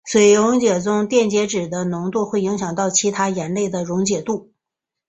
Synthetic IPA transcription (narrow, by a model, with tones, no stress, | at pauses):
swe˧˥ɪɻʊ˧˥ŋt͡ɕjɛ˨˩t͡sʊ˥ŋt̪jɛ˥˩nt͡ɕjɛ˧˥ʈ͡ʂɻ̩˨˩d̪ə˦nʊ˧˥ŋt̪u˥˧xwe˥˩ɪi˧˥ŋɕjɑ˨˩ŋt̪ɑ˥˩ʊt͡ɕʰi˧˥t̪ʰa˥jɛ˧˥nle˥˩ɪd̪ə˩ɻʊ˧˥ŋt͡ɕjɛ˨˩t̪u˥˩